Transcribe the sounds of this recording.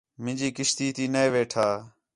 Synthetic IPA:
mɪ̃d͡ʒiːkɪʃt̪iːt̪iːneeːʋeːʈʰaː

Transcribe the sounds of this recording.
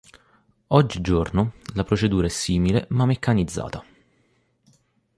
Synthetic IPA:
ɔd͡ʒːid͡ʒornolapɾot͡ʃed̪uːɾaɛsːiːmilḛmamːekːanid̪zːa̰ːt̪a

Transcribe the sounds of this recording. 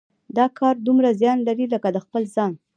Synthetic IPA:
d̪ɑkʰɑɾd̪umɾazjɑnlaɾiləkad̪əxpəlzɑn

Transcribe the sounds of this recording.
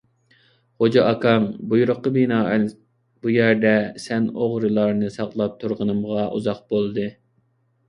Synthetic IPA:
χod͡ʒɑʔɑkʰɑŋbujuɾʊqːəbinɑːɛ | bujæɾd̪ɛsɛnoʁɾɨlˠɑɾnɨsɑqlˠɑp̚t̪ʰuɾʁənɨmʁɑʔuzɑq̚bolˠd̪ɨ

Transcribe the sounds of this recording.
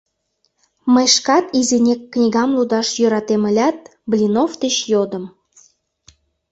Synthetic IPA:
məjʃkɑt̪izenʲekːnʲiɣɑmlud̪ɑʃjøɾɑt̪eməlʲɑt̪̚blʲinoft̪et͡ɕjod̪ə̆m

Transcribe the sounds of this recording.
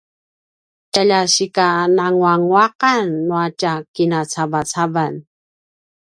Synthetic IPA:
caʎaɕikanaŋwaŋwaqanːuacakinat͡savat͡savan

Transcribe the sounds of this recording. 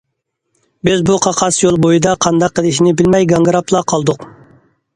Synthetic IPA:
bɪzbuqʰɑqʰɑsjolˠbojid̪ɑqʰɑnd̪ɑqːəlˠɪʃinɪbɪlmɛjɡɑŋɡɾɑpʰlˠɑqʰɑlˠd̪ʊq

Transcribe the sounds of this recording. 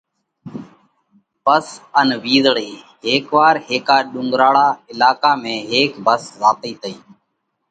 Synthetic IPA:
bəsənʋiːzɽiː | ɦeːkʋaːɾɦeːkaːɗʊŋɡɾaːɽaːɪlaːkaːmẽːɦeːkbəszaːt̪iːt̪əiː

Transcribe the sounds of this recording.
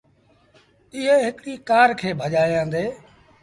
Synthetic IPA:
ɪɦeːɦɪkɗiːkaːɾkʰeːbʱəʄaːjãːnd̪eː

